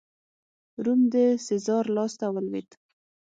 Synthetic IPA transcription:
ɾumd̪əsɪzɑɾlɑst̪awəlwit̪

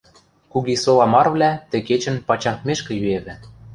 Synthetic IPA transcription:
kuɣisolˠɑmɑrβlʲæt̪ɘ̆ket͡ɕə̆npɑt͡ɕɑŋk̪meʃkɘ̆jyeβɘ̆

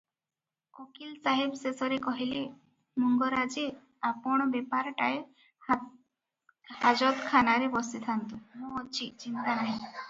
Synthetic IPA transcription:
okilsaɦibsesɔɾekɔɦile | muŋɡɔɾad͡ʒe | apɔɳ̃ɔbepaɾʈae | had͡ʒɔd̪kʰanaɾebɔsit̪ʰant̪umũt͡ʃʰit͡ʃint̪anaɦĩ

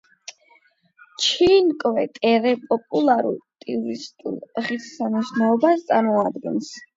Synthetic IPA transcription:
t͡ʃʰinkʼvɛt̪ʼɛɾɛpʼɔpʼulˠaɾṵlˠt̪ʼiuɾist̪ʼṵlˠʁissaniʃnɛɔbast̪sʼaɾmɔad̪ɡɛns

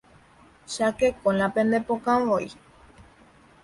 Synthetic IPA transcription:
ʃakekõlãpẽnd̪epokãʋoi

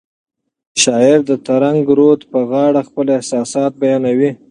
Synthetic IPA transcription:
ʃɑɪɾd̪ət̪aɾaŋɡɾot̪pəɣɑɽaxpəlɪhsɑsɑt̪̚bajɑnawi

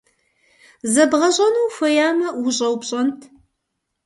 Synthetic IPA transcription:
zɐbʁɐʑʼɐnuːfɐjaːmɐwʊɕʼɐwpɕʼɐntʰ

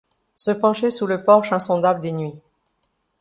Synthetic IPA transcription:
səpɑ̃ʃesuləpɔʁʃɛ̃sɔ̃d̪abləd̪enɥi

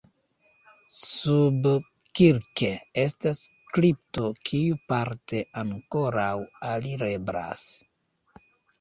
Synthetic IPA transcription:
sub | kiɾke̞e̞stas | kɾip̚to̞kʰiupaɾte̞ʔaŋko̞ɾawaliɾebɾa̰s

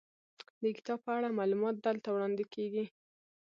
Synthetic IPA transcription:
d̪əkɪ̥t̪ɑb̚pəaɽamɑlumɑt̪̚d̪əlt̪awɽɑnd̪ɪkeɡi

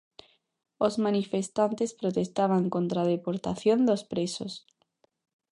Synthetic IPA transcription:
ozmanifest̪ant̪espɾot̪est̪aβ̞aŋkont̪ɾað̞epoɾt̪aθjond̪ospɾeso̰s

